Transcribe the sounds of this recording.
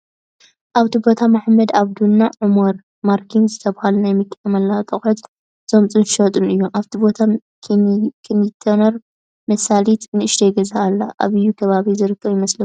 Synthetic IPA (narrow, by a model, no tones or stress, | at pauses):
ʔaβt̪ʰibo̞t̪ʰamaħmɐd̪aβd̪unːaʕumoɾ | maɾkʰinzɨt̪ʰɐβhalunajmɨkʼːɐmɐlːat̪ʼɐxʼħɨt̪ | z̥o̞mt͡sʼɨnʃot̪ʼunɨjːomʔaβt̪ʰibo̞t̪ʰa | kʰkʰnit̪ʰɐnɐɾ | mɐsalit̪nɨɨʃd̪ejɡɐzaʔːlːaʔa̰βɨjːukʰɐβaβizɨɾɨkʰːɐβjɪmɐslɐu